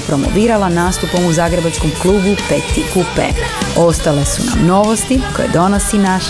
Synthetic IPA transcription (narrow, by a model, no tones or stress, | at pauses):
pɾo̞mo̰ʋiːɾalanaːst̪upomuzaɡɾebat͡ʃkomklˠuːbupet̪ikupḛ | ost̪ale̞suna̰mno̞ʋost̪iko̰jḛd̪o̞nosinaʃ